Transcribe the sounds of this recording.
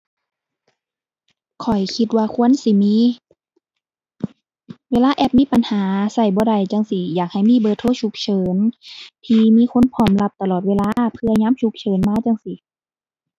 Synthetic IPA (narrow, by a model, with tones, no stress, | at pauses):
kʰɔ˨˩jkʰi˧t̪̚waː˧kʰu˧˥ə˨nsi˧˦miː˧˥˨ | weː˧˨laː˧˥˨ʔɛ˧p̚miː˧˥˨pa˨nhaː˨˦sa˧˩jbɔː˧˦da˧˩jt͡ɕa˧ŋsi˧jaː˨˩k̚ha˨˩jmiː˧˥˨bɤː˧t̪ʰːoː˧˥˨t͡ɕʰu˧˥k̚t͡ɕʰɤː˨˦nt̪ʰiː˧miː˧˥˨kʰo˧˥˨npʰɔː˧˩mla˧p̚t̪a˧lɔː˨˩t̪̚weː˧laː˧˦pʰɯ˧ɐɲaː˧˥˨mt͡ɕʰu˧˦k̚t͡ɕʰɤː˨˦nmaː˧˥˨t͡ɕa˧ŋsi˧˦